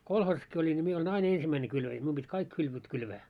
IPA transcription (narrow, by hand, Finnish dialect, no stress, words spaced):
kolhoːsɑski olʲin nʲi mie olʲin ɑin ensimːæine kylʋæjæ mium b̥itʲ kɑik kylʋøt kylʋæː